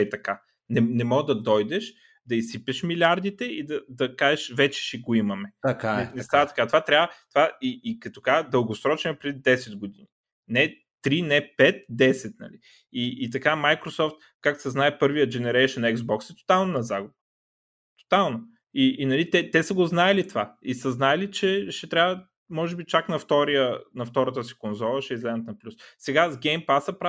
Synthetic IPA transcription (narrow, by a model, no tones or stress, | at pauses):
ɛt̪ɐka | nɛnɛmɔɡd̪ɐd̪ɔjd̪ɛʃ | d̪ɐisipɛʃmilʲaɾd̪it̪ɛid̪ɐd̪ɐkaʒɛʃvɛt͡ʃɛ̥ʃɛɡoimɐmɛkaɛnɛst̪avɐt̪ɐ̥kat̪ovat̪ɾʲabvət̪ovaiːkɐt̪o̥kaʒd̪əlˠɡosɾɔt͡ʃnpɾɛd̪id̪ɛsɛd̪ɡod̪inʲi | nɛ | t̪ɾinɛpɛt̪̚d̪ɛsɛt̪nɐ̰li | iːt̪ɐkamajkɾosɔft̪̚ | kaksɛznaɛpɤɾvijəd͡ʒɛnɛɾɛjʃənɛɡzbɔksɛt̪o̥t̪alˠnonɐzaɡʊbə | t̪o̥t̪alˠno | iːnɐlit̪ɛt̪ɛsəɡoznaɛlit̪ovaisəznaɛlit͡ʃɛʃɛt̪ɾʲavə | mɔʒɛbit͡ʃaknɐft̪ɔɾijənɐft̪ɔɾət̪̬əsi̥konzɔlˠəʃɛizlɛzɐt̪nɐplʲussɛɡazɡɛjmpasəpɾa